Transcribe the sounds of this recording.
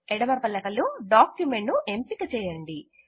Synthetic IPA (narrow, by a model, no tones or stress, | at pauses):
ɛɽɐmɐɾpɐlːɐkɐluɖaːkjumeɳʈnuʔempikɐt͡ʃɛːjɐɳɖi